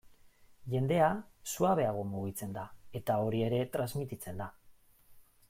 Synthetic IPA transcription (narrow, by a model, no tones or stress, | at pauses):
ʝe̞nd̪e̞asuaβe̞aɣ̞o̞muɣit͡se̞nd̪ae̞t̪ao̞ɾie̞ɾe̞t̪ɾazmit̪it͡se̞nd̪a